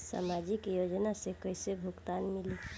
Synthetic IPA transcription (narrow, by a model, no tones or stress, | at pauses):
sa̰mad͡ʒikjod͡ʒnasẽkəɪsebʱukt̪anmili